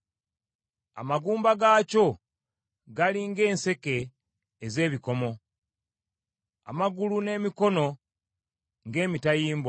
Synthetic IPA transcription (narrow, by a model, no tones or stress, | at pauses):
a̰maɡuːmbaɡaːco̞ | ɡaliŋɡe̞ːnse̞ke̞ː | ze̞ːβiko̞mo̞ | a̰maɡulune̞ːmiko̞no̞ | ŋɡe̞ːmitajiːmba